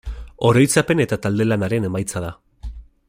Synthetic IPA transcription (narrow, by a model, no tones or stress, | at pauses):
o̞ɾo̞jt͡sape̞ne̞t̪at̪ald̪e̞lanaɾe̞ne̞majt͡saða